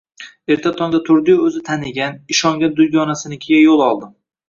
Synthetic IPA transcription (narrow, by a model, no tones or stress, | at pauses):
e̞ɾt̪ʰat̪ʰɒŋd̪at̪ʰʊɾd̪ɪjɵzɪt̪ʰanɪɡʲanɪʃɒŋɡʲand̪ʊjɡɒnasɪnɪkʲʰɪɡʲajolˠɒlˠd̪ɪm